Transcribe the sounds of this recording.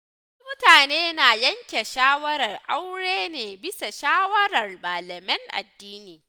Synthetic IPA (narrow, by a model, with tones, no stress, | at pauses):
mʊ˦taː˨neː˦naː˨jɐ˦ŋkʲe˨ʃaː˦wɐ˦ɾɐ˨rʔa˦wɽeː˦neː˨bɪ˦sa˨ʃaː˦wɐ˦ɾɐ˨rmaː˨lɐ˨mɪ˦ŋʔa̰˨dːiː˦niː˨